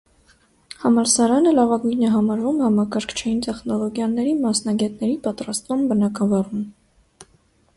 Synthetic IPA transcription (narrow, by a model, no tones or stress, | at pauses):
hɑmɑɾsɑɾɑnəlɑvɑɡujnɛɦɑmɑɾvumhɑmɑkɑɾkʰt͡ʃʰɛjint̪ɛχnɔlɔɡjɑnɛɾimɑsnɑɡɛt̪nɛɾipɑt̪ɾɑst̪vumbənɑkɑvɑrum